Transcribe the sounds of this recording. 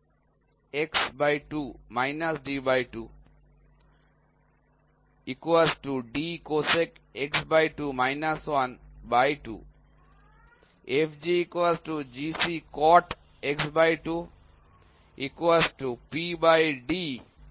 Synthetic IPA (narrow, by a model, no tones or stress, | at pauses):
eksbajʈumaɪnasɖibajʈuː | ikasʈuɖikosekeksbajʈumaɪnaswanbajʈṵ | efd͡ʒiikasʈud͡ʒisikɔʈ | eksbajʈu | ikwasʈupibajɖi